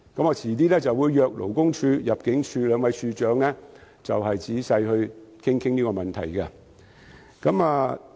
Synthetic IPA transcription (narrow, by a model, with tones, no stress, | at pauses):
kɐ˨˥mɔː˧t͡sʰiː˨˩t̪iː˥lɛː˥t͡sɐ˨wuː˨˧jːœː˨˧k̚lo̰˨˩wkʊ˥ŋt͡ʃʰyː˧jɐ˨p̚kɪ˨˥ŋt͡ʃʰyː˧lœː˨˧ŋwɐ˨˧jsyː˧t͡ʃœː˨˥ŋlɛ˥ | t͡sɐ˨wɦɐ˨jt͡siː˨˥sɐ˧jhɵ˧ɥkʰɪ˥ŋkʰɪ˥ŋniː˥kɔ˧mɐ˨nt̪ʰɐ̰˨˩jkɐ˧ | kɐ˨˥maː˧